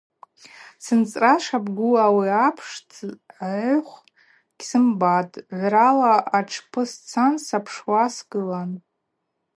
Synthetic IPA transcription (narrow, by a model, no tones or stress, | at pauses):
sɨnt͡sʼraʂabɡʷuawiapʰʂt͡sʰ | χʷ | ɡ̥ʲsɨmbatʼʕʷralaʔaʈ͡ʂʰpʰɨst͡sʰansapʰʂwasɡɨlan